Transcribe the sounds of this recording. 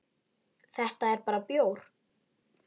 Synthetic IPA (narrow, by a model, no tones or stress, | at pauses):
θɛht̪aɛɾpaːɾapjoːwɾ̥